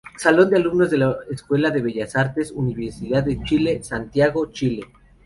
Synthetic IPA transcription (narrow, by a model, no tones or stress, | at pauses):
salo̞nd̪ealumno̞zðe̞laeskwe̞laðe̞βe̞ʝasaɾt̪e̞suniβeɾsiðaððet͡ʃile̞sant̪jaɣo̞t͡ʃile̞